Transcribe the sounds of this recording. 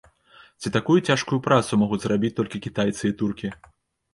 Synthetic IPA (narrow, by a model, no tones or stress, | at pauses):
t͡sʲit̪akujut͡sʲaʂkujupɾat̪sumɔɣud͡zʲzrabʲit͡sʲt̪ɔlʲkʲikʲit̪ajt̪sɨit̪urkʲi